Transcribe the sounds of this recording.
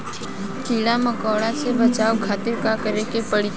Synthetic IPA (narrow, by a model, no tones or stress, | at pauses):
k̪iːɽaməkaʋɽasebət͡ʃaokʰaːt̪ɪɾkakəɾekepəɽi